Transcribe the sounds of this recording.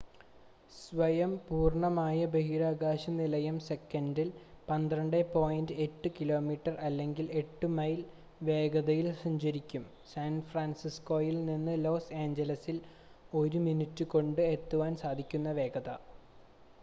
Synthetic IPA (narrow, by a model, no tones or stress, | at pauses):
sʋɐjɐmpuːrɳɐmaːjɐbeɦiɾaːɡaːɕɐnilɐjɐmse̞kːɐndilpɐnd̪rɐɳɖepoːjndɨe̞tːɨkilo̞ːmiːʈːɐrɐlːe̞ŋɡile̞ʈːɨmɐjl | ʋe̞ːɡɐðɐjilsɐɲd͡ʑɐɾikʲːum | saːnfraːnsisko̞ːjilninːɨlo̞ːseːɲd͡ʑɐlɐsil | o̞ɾuminitːɨko̞ɳɖɨe̞t̪ːuʋaːnsaːd̪ʱikʲːun̪ːɐʋe̞ːɡɐðɐ